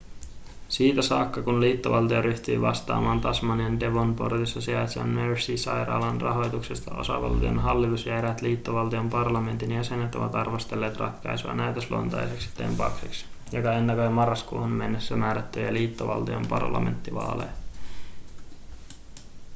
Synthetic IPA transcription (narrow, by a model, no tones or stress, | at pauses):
siːt̪æsɑːkːɑkunliːt̪ːoʋɑlt̪ioɾyçt̪yːʋɑst̪ɑ̰ːmɑːnt̪ɑsmɑniende̞ʋo̞npo̞rt̪isːɑsiɑjt̪seɑ̰nmøɹsisɑjɾɑ̰ːlɑnrɑ̰ɦo̞jt̪uksest̪ɑʔo̞̰sɑ̰ʋɑ̰lt̪io̰nɦɑlːit̪usjæɾæt̪liːt̪ːoʋɑlt̪iompɑrlɑme̞nt̪injæse̞nːet̪o̞ʋɑ̰t̪ɑrʋo̞st̪elːe̞ːt̪rɑ̰k̪ːɑjsuɑ̰næyt̪øslo̰nt̪ɑ̰jseksi̥t̪ːḛmpɑkseks | jokɑenːækojmɑrːɑskṵːhunme̞nːesːæmæːɾæt̪ːøjæliːt̪ːoʋɑ̰lt̪io̰mpɑrlɑ̰me̞̰nt̪ːiʋɑ̰ːlḛ